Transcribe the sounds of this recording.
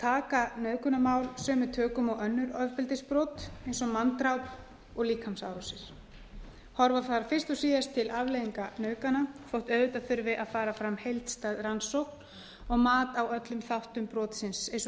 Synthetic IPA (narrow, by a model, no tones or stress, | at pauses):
t̪ʰaːkanœːɥkʏnamaːwlsœːmʏt̪ʰœːkʏmɔwʔœnːʏɾœvpɪlt̪ɪspɾɔːt̪ejnsɔmant̪ɾawp | ɔɣliːkhamsa̰ːwɾɔsɪɾ̥ | hɔɾvaθaðɾafɪr̥st̪ɔsiːðast̪ʰɪlʔavlejðiŋkanœːɥkanafowht̪œːɥðʏt̪aθʏɾvɪʔaðfaːɾafɾamhejlt̪st̪aːðɾansowkn | ɔɣmaːt̪awœt̪lʏmθawht̪ʏmpɾɔːt̪sɪnsejns